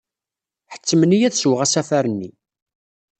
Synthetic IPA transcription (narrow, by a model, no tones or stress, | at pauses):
ħə̥t͡sːəmənijæðswʁæsæfæɾənːi